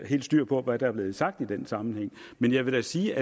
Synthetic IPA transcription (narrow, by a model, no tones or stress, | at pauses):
he̝̰ːldsd̥yɐ̰pʰɒ̽ʋæd̥ɑ̈æɐb̥le̝ːð̞̩ˠsɑ̈ɡ̥̚d̥id̥ensɑ̈mn̩heŋ̰ | menjɑ̈ɪʋe̝d̥æsiːʔæ